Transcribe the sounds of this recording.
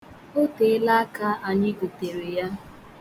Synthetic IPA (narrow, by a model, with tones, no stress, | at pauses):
o˦te˨˦la˦ka˦a˨ɲɪ˦ɡo˨te˨ɾe˨ja˦